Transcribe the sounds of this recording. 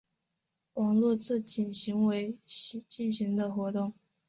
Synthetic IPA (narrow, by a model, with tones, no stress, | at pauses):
wɑ˨˩ŋlu˥˧t͡sɹ̩˥˩t͡ɕi˨˩nɕi˧˥ŋwe˧˥ɪ˧˥t͡ɕi˥˩nɕi˧˥ŋd̪ə˧xwɔ˧˥t̪ʊ˥˩ŋ